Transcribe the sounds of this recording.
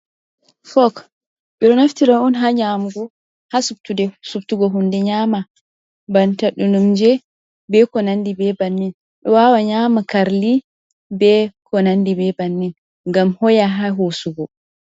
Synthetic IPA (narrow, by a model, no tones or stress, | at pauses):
fɔk | ɓiɾɔnaftiɾaɔnɦaɲamɡɔ | hasubtudɛsubtuɡɔɦundɛɲama | bantaɗunumd͡ʒɛ | bɛkɔnandibɛbanːin | ɗɔwawaɲamakaɾli | bɛkɔnandibɛbanːin | ŋɡamhɔjaɦaɦosuɡɔ